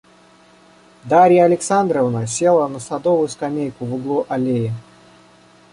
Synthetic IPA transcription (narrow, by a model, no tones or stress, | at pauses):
d̪aɾʲɪjəɐlʲɪksand̪ɾəvnəsʲe̞lˠənəsɐd̪ovʊjʊskɐmʲejkʊvɨɡlˠuʔɐlʲejɪ